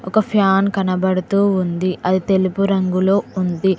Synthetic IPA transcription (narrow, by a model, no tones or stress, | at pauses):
ɔkɐpʰjaːnkɐnɐbɐɽut̪uːund̪iɐd̪it̪e̞lupuɾɐŋɡulo̞ːund̪i